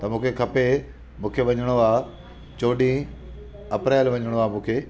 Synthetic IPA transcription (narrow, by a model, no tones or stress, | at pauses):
t̪ɐmũːkʰekʰɐpe | mũːkʰeʋɐɲəɽ̃oaː | t͡ɕoːɗĩ | ɐpɾɛːlʋɐɲəɽ̃oaːmũːkʰeː